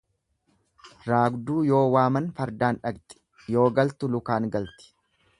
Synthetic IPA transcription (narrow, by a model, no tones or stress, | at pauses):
ɾaːɡd̪uːjo̞ːwaːmɐnfɐɾd̪aːnᶑɐɡt̪ʼɪ̥ | jo̞ːɡɐlt̪ʊlʊkaːŋɡɐlt̪ɪ̥